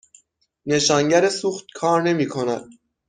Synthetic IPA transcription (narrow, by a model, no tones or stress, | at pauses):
ne̞ʃɒːŋɟæɾesuːxt̪̚kʰɒːɾne̞miːkʰo̞næd̪̥̚